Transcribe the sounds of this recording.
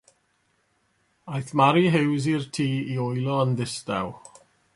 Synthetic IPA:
ajθmaɾiɦɪwzirtʰiːiɔjlˠɔəndɪsta̰w

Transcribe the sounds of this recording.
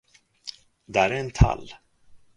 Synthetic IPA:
d̪ɛæɾæɛnt̪ʰa̰lː

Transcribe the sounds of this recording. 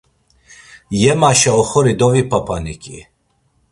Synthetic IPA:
jɛmaʃɛɔxɔɾid̪ɔvipʰapʰanikʼi

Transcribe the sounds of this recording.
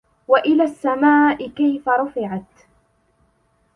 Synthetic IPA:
waʔɪlaːsːamaːʔɪkajfaɾˤʊfɪʕat̪

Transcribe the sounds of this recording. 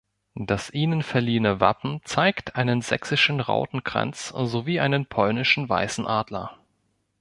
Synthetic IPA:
d̥asʔiːnənfɛɐliːənəva̰pm̩t͡saɪktʰʔaɪnənzɛ̰ksɪʃn̩ʁa̰ʊtn̩kʁ̥a̰nt͡szoviːʔaɪnənpʰɔlnɪʃn̩va̰ɪsn̩ʔaːdlɐ̰

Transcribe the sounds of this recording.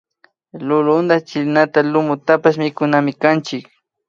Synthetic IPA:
lʊlʊnd̪at͡ʃɪlnat̪alʊmʊt̪apaʃmɪkʊnamɪkant͡ʃɪk

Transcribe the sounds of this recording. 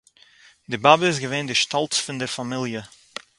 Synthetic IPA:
dɪbabɪs̬ɡəveːndɪʃtɔlˠtfʊndɛɾfamɪlˠjə

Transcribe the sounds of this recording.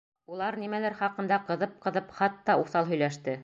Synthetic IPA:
ulˠɑɾnimælæɾχɑqɤ̆nd̪ɑqɤ̆ðɤp̚qɤ̆ðɤpχɑt̪ːɑuθɑlˠɦɵ̆jlæʃt̪ɘ

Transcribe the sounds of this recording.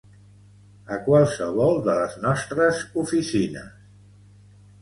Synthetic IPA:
əkwalˠsəβɔlˠd̪ələznɔst̪ɾəzufisinə̰s

